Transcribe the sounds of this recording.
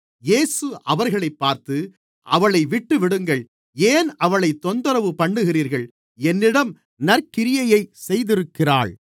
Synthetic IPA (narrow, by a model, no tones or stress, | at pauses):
jeːsɯʔɐʋɐɾɣɐɭɐɪpːaːɾt̪ɯ | ʔɐʋɐɭɐɪʋɪʈːɯʋɪɽɯŋɡɐɭ | eːnɐʋɐɭɐɪt̪ːɔnd̪ɐɾɐʋɯpɐɳːɯɣɪriːɾɣɐɭ | ɛnːɪɽɐm | nɐɾkɪɾɪjɐjɐɪsɛjðɪɾɯkːɪra̰ːɭ